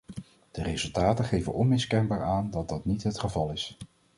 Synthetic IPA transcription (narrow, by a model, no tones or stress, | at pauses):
d̥ərezɵlˠtaːtəχejvənʔɔnmɪskɛnbaːɹaːndɑd̚dɑtnitɦətχəvɑlˠɪs